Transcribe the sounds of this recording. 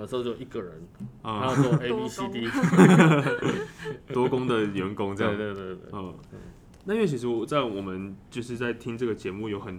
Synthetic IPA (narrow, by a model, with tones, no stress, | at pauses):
ə˧˩˧o˧t͡ɕo˥˩o˨i˨˩ɡə˨ɻə˨˦nə˥˨a˨˦˥ɔ˥˧e˦i˦si˦t̪i˥˦ | wɔ˦˥kʊ˥˦ŋd̪ə˨ɥɛ˧˦nko˥ŋt͡sɤ˥˧j̪we˧t̪we˥˧t̪ə˥˩ | na˥˩jɛ˥˩t͡ɕʰi˧˥ʂ̬ɻ̩˧˦wɔ˨˩t͡sa˥˩ɪwɔ˨˩mə˦nt͡ɕjo˥˧ʊʂɻ̩˥˧t͡sa˥˩ɪt̪ʰi˦ŋʈ͡ʂɤ˥˩ɡə˩t͡ɕjɛ˧˦mu˥˨jo˧˥xə˨˩n